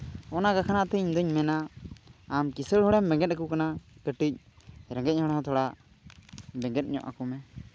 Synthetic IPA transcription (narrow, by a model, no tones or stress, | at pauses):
ɔnakakʰanaʔt̪ɛɲd̪əɲmɛnaː | mkisəɽhɔɽɛmbɛ̃ŋɡɛt̪̚akukanakəʈic̚ | ɾɛ̃ŋɡɛc̚hɔɽ̃ɦɔ̃t̪ʰɔɽaʔ | bɛŋɡɛt̪̚ˀɲɔ̰ʔa̰kumɛ